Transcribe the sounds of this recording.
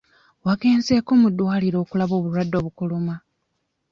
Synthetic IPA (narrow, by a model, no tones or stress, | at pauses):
waɡe̞ːnze̞ko̞ːmudːwaːliɾo̞ːkulaβo̞ːβulwadːo̞ːβukuluma